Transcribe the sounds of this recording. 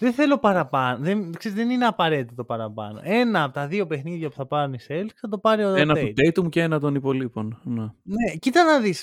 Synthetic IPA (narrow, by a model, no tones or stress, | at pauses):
ðenθe̞lo̞pɐɾɐpɐnoðenkseizðenineɐpɐɾe̞t̪it̪o̞pɐɾɐpɐ̰no̞̰e̞nɐːpot̪ɐðio̞pe̞xniðʝɐpuθɐpɐɾuniselkθɐt̪o̞pɐɾiotenɐt̪eut̪ejt̪umuceenɐt̪o̞nipo̞lipo̞nnene̞cit̪ɐnɐðis